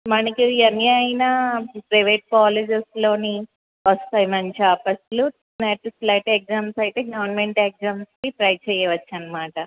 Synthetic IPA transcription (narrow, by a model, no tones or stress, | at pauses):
mɐnɐkiɐnːjajɐnɐpɾɐjʋeːʈ̚kaːled͡ʒeslo̞ːni | ʋɐst̪aːjmɐnt͡ʃaːpːɐslu | neʈuslɐjʈek̚zaːmsɐjt̪e̞ːɡɐʋɐɾnmeɳʈek̚zaːmskipɾɐjt͡ʃɛːjɐʋɐt͡ʃːɐnːɐmaːʈɐ